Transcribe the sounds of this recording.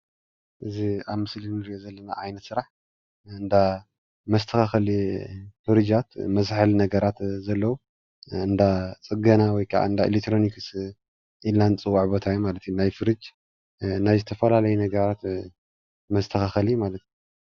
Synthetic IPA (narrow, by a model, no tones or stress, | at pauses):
ʔɨziaβmɨslinɨɾiozɐlːɐna̰ʔʕajnɐt̪sɨɾaħ | ɨnd̪a | mɐst̪ʰɐxaxɐlifɨɾɨd͡ʒat̪mɐzħalnɐɡɐɾat̪zɐlːɐwu | ɨnd̪at͡sʼɨɡɐnawɔjkʰɐʔa̰ɨnd̪aḭlek̚t̪ʰːɾo̞nikɨs | ʔilant͡sʼɨwaʕbɐt̪ʰajumalɐt̪ʰjunajfɨɾɨd͡ʒ | najzɨt̪ʰɐfɐlalɐjunɐɡɐɾat̪ | mɐst̪ʰɐxaxɐlijmalɐt̪ju